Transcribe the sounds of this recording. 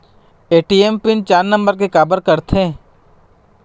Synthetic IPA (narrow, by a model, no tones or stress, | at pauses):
eːʈiempɪnt͡ʃaːɾnə̃mbəɾk̬ekaːbəɾkɐɾt̪ʰẽ